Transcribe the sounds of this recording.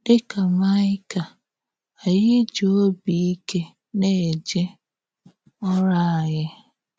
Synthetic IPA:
dɪ˦ka˨ma˦ɪ˦ka˨ | a˨jɪ˦d͡ʒo˦o˦bi˨i˦ke˦ | ne˦˨d͡ʒe˦ | ɔ˦ɾa˦˨a˨ɣɪ˦

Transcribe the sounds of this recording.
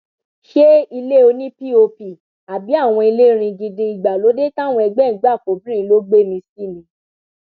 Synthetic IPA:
ʃe˦i˧le˦o˧nĩ˦pi˦˨o˧pi˨ | a˨bi˨˦a˦˨w̃ɔ̃˧i˧le˦ɾ̃ĩ˧ɡĩ˧dĩ˧i˨ɡ͡ba˨lo˨˦de˦tã˦˨w̃ɔ̃˧ɛ˧ɡ͡bɛ˦˨˦ɡ͡ba˦˨ko˨˦bĩ˦ĩ˧˦lo˦ɡ͡be˦˨mĩ˧ski˦˨nĩ˨˦

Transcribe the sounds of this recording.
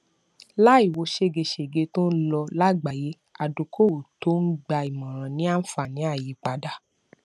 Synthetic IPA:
la˦i˦˨wo˨˧ʃe˦ɡe˧ʃe˨ɡe˧tõ˦n̩˦lɔ˧la˦˨ɡ͡ba˨je˨˦ | a˨du˨kʰo˦˨to˨˦n̩˦ɡ͡ba˧i˨mɔ̃˨ɾ̃ã˨nĩ˨˦a˦n̩˦fa˧˨nĩ˨˦a˦˨ji˨k͡pa˨da˦˨

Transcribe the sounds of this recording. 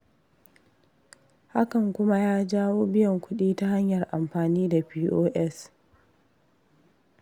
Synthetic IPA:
ha˦kɐ˨ŋkʷʊ˦ma˦jaː˦d͡ʒaː˦woː˦bɪ˦jɔ˨ŋkʷʊ˦ɗiː˦ta˦ha˦ɲjɐ˨rʔa̰˨mɸaː˨niː˦da˨ɸiː˦ʔoː˦ʔɛ˦s

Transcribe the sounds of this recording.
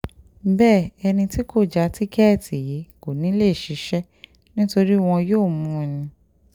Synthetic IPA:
bɛː˦˨ɛ˧nĩ˧ti˦ko˦˨d͡ʒa˧˦ti˦kɛ˦˨tʰi˨ji˨˦ko˨nĩ˨˦le˦˨ʃi˨˦ʃɛ˦ | nĩ˦to˧ɾi˦w̃ɔ̃˧joː˦˨mũ˧ɛ˧nĩ˧

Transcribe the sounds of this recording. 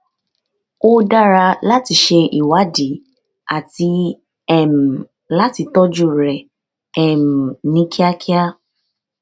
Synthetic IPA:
o˦da˦ɾa˧la˦ti˧˦ʃe˧ʔi˨wa˨˦di˨˦ | a˨ti˧ | ɛ˨m̩˨ | la˦ti˧tɔ˦d͡ʒu˦ɾɛ˨ | ɛ˨m̩˨nĩ˦ki˦a˦kʰi˦a˦

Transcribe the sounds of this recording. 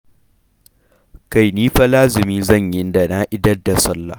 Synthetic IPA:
ka˨jniː˦ɸa˦laː˦zɪ˨miː˦zɐ˦˨ɲjɪ˦nda˨na˦ʔɪ˦dɐ˦rdːa˨sɐ˦lːa̰˨

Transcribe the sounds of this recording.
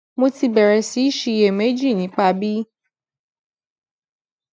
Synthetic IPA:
mo˧ti˧bɛ˨ɾɛ˨si˨˦i˦ʃi˧je˨me˨˦d͡ʒi˦˨nĩ˨˦k͡pa˧bi˦

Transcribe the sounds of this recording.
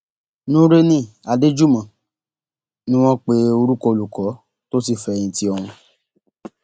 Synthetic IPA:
nũ˦ɾe˦nĩ˦˨a˨de˦d͡ʒu˦mã˨ | nĩ˦w̃ɔ̃˦k͡pe˦o˧ɾu˦kɔ˧o˧lu˨kɔ˨˦ | to˦si˦˨fɛ̃˧˦˧ĩ˧ti˦ɔ˧ɾ̃ũ˧

